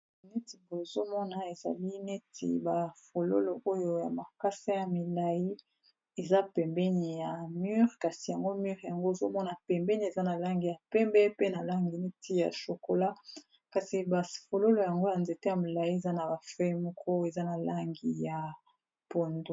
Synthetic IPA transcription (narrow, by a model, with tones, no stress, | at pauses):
nɛ˦ti˨bo˨zo˦mɔ˦na˨e˨za̰˨li˦ne˦tʰḭ˨ba˨fo˨lo̰˦lo˨ʔo˦jo˦ja̰˨ma˨ka˦sa˦ja˨mi˨la˨ji˦ | e˨za˦pɛ˨mbɛ˦ni˨ja˨my˦ʁka˨si˨ja˨ŋɡo˦my˦ʁja˨ŋɡo˦e˨zo˦mɔ˦na˨pɛ˨mbɛ˦ni˨e˨za˦na˨la˦ŋɡi˨ja˨pɛ˦mbɛ˦pe˦na˨la˦ŋɡi˨ne˦tʰi˦ja̰˨ʃo˨ko˨la˦ | ka˨si˨ba˨fo˨lo˦lo˨ja˨ŋɡo˦ja˨nze˨te˦ja˨mi˨la˨ji˦e˨za˦na˨ba˨fɛ˦mɔ˦kʰɔ˦e˨za˦na˨la˦ŋɡi˨ja˨ | po˨ndo˨